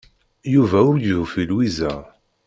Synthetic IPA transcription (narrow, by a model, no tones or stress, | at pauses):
juvæʊɾjəvufilwizæ